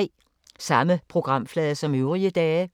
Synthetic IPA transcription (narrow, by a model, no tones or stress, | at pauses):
sɑ̈məpʰʁo̝ɡ̥ʁɑ̈m̰flɛːðˠɐsɒ̽møʊʁiəd̥ɛː